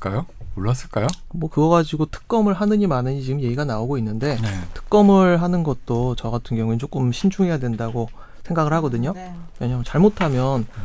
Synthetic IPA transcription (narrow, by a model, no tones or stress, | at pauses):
k͈ajomoɭːas͈ɯɭk͈ajomwʌkɯɡʌɣad͡ʑiɡotʰɯ̥k̚k͈ʌmɯɭɦanɯɲimanɯɲit͡ɕiɡɯmje̞ɡiɡanaoɡoinːɯnde̞netʰɯ̥k̚k͈ʌmɯɭɦanɯnɡʌt̚t͈ot͡ɕʌɡatʰɯnɡjʌŋuet͡ɕ͈ok͈ɯmɕʰind͡ʑʰuŋɦe̞jadwe̞ndaɡo | sʰe̞ŋɡaɡɯɭhaɡʌdɯɲomeɲamt͡ɕaɭmotʰamjʌn